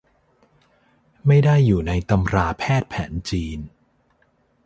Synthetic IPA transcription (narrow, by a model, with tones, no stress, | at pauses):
ma˥˩jda˥˩jːuː˨˩na˧jt̪a˧mɾaː˧pʰɛː˥˩t̪̚pʰɛ̰ː˩˦nt͡ɕiː˧n